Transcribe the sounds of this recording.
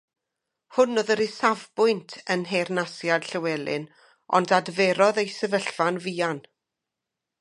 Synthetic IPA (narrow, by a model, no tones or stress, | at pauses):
hʊnːoðəɾisavbʊɨntʰənɦernasjad̥ɬəwɛlˠɨ̰n | ɔ̰ndadvɛɾɔðejsɛvəɬvanviːan